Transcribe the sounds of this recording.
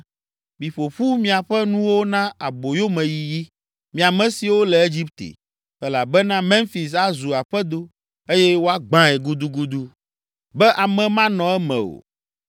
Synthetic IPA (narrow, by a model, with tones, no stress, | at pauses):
mĩ˨ɸo˨ɸu˦mĩ˦a˨ɸɛ˦nũ˦wo˦nã˦a˨bo˨jo˦mɛ̃˨ji˨ji˦ | mĩ˨a˨mɛ̃˨si˨wo˦lɛ˨e˦d͡ʒi˦pt̪ḛ˨ | ɛ˦la˨bɛ˦nã˦mɛ̃˦nfi˨s̬a˦zu˨a˨ɸɛ˦d̪o˦ | e˦jɛ˦wo˦a˦ɡ͡bã˦ɛ˨ɡu˦d̪u˦ɡu˦d̪u˦ | bɛ˦ʔa˨mɛ̃˨mã˦nɔ̃˨ɛ˦mɛ̰̃˨o̰˨